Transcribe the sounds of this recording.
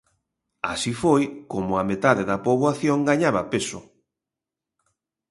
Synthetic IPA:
a̰sifojkomʊamet̪aðeðɐpoβoaθjoŋɡaɲaβɐpesʊ̰

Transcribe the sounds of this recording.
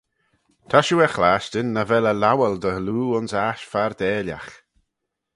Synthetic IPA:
t̪ʰaʃuɛxlaːʃtɪnːəvɛləlawɛld̪əluːʊnsaʃfaɾd̪ɛːlʲja̰x

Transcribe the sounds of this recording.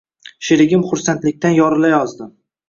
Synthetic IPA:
ʃɪɾɪɡʲɪmχʊɾsant̪lɪk̚ʲt̪anjɒɾɪlajɒzd̪ɪm

